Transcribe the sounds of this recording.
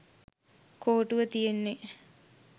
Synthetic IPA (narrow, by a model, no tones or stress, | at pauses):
koːʈuʋət̪ijenːe